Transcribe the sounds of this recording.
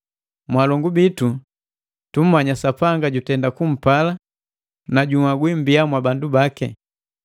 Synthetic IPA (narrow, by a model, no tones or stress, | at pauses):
mwalɔŋɡubitu | tum̩maɲasapaŋɡaɟutɛndakum̩pala | naɟuŋaɡwim̩bijamwabandubakɛ̰